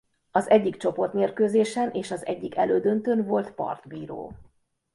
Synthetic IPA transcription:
ɒzɛɟːikt͡ʃo̞po̞rt̪meːrkøːzeːʃɛnʔeːʃɒzɛ̰ɟːikɛløːd̪ønt̪ønvo̞lt̪pɒ̰rt̪biːɾo̰ː

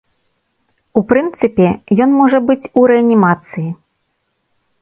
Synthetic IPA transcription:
upɾɨnt̪sɨpʲɛjɔnmɔʐɐbɨt͡sʲuɾɛɐnʲimat̪sɨji

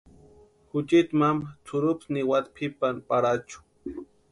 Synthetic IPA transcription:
hʊt͡ʃɪt̪mamt͡sʰʊɾʊpsnɪwat̪pʰɪpanpaɾat͡ʃʊ̥

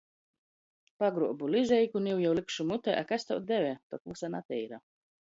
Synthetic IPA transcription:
paɡɾuɔbulizʲɛjkuniwjawlikʃumut̪ɛʔa̰kast̪awd̪ɛvʲɛt̪ɔkusanat̪ʲɛjɾa

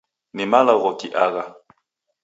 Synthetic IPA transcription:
nimalaɣɔkiʔaɣa

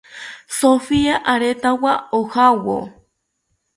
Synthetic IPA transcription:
sofiaʔaɾet̪awaohawo̰

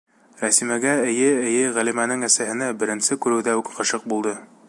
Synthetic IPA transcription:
ɾæsimæɡæɘ̆jɘɘ̆jɘʁælimænɘŋæsæhɘ̆næbɘ̆ɾɘ̆nsɘkʉɾɘ̆wðæʉkqɤ̆ʃɤq̚bulˠd̪ɤ

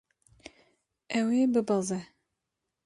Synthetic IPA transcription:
ʔɛwebɨbəzɛ

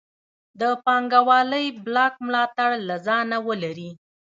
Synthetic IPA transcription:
d̪əpɑŋɡawɑləjblɑk̚mlɑt̪aɽlazɑnawəlaɾi

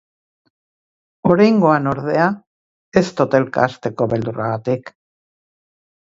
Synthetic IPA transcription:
o̞ɾajŋɡo̞anoɾð̞e̞a | est̪o̞t̪e̞lka̰ːst̪e̞ko̞βe̞ld̪uraɣ̞at̪ik

